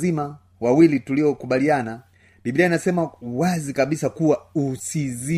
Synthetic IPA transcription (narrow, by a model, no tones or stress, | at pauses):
zima | wawilituliɔkuɓaliana | biblianasɛmawazikaɓisakuwausizi